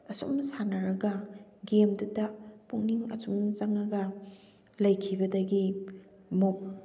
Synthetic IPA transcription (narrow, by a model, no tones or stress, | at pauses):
ɐsṵmsanɐɾɐɡɐɡemdudɐpuŋniŋɐ̰sumzaŋɐɡɐ | lɐjkʰibɐdɐɡi | mok̚